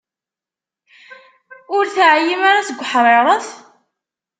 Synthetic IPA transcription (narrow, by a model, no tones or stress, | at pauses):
ʊɾθʕjimaɾasəɡʷːħɾˤeɾˤəθ